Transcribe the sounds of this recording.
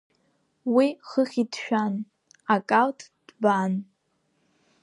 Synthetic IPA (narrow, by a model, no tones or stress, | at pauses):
wiχəχʲidʃᶣan | akʼaltʰʼd̥ban